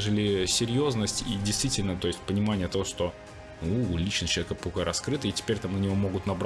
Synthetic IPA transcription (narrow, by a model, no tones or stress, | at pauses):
ʐɨlʲɪsʲɪɾʲjo̞znəsʲtʲḭdʲɪjst̪vʲitʲɪlʲnət̪o̞jɪsʲtʲpənʲɪmanʲɪjət̪ɐvoʂt̪o̞ | ulʲit͡ɕnət͡ɕˠvʲekəpɐkojɾɐskɾɨt̪əitʲɪ̥pʲeɾʲt̪amnənʲɪvo̞mo̞ɡʊt̪nɐbɾ